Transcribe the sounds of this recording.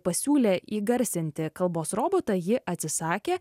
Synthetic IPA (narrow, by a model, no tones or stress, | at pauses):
pɐsʲuːlʲeːʔiːɡɐɾʲsʲɪnʲt̪ʲɪkɐlˠboːsɾoːboːt̪ɐjɪʔɐt̪ʲsʲɪsɑːkʲeː